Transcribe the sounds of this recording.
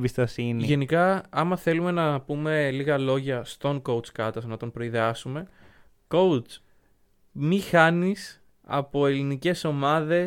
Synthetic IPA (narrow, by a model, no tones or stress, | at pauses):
bist̪ɐsiniʝe̞nikɐɐmɐθe̞lume̞nɐpume̞liɣɐlo̞ʝɐst̪o̞ŋko̞ut͡skɐt̪ɐsnɐt̪o̞mpɾo̞iðeɐsume̞ | ko̞wt͡s | mixɐnis | ɐ̰po̞e̞linice̞so̞mɐðe̞